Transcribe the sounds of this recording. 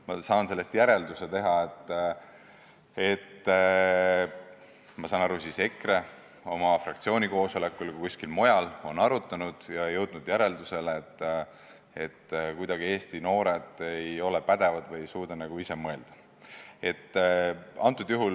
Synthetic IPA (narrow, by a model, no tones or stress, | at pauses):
mɑsɑːnse̞lːe̞st̪jæɾe̞ld̪use̞t̪e̞ɦɑet̪ːˑ | e̞t̪ː | mɑsɑːnɑɾusise̞kre̞ | o̞mɑfrɑkt̪sio̞ːnʲiko̞ːso̞le̞kːulkkuskilmo̞jɑlo̞nɑɾut̪ːˑɑnud̪̥jɑejɤwd̪̥nud̪̥jæɾe̞ld̪use̞leːt̪ː | e̞t̪ːkujd̪̥ɑɡ̥ie̞ːst̪ino̞ːɾe̞d̪̥ejo̞le̞pæd̪̥e̞vɑd̪vɤjejsuːd̪̥ɑnæɡ̥uise̞mɤe̞ld̪̥ɑ | e̞t̪ːɑnt̪ːˑud̪̥juɦul